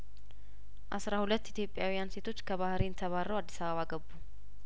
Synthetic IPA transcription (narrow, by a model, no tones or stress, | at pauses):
ʔasɾahulət̪ːit̪jo̞pʼjawijanse̞t̪ʰo̞t͡ʃːkʰəβahɾint̪ʰəβarːəwad̪ːisaβəβaɡəbːu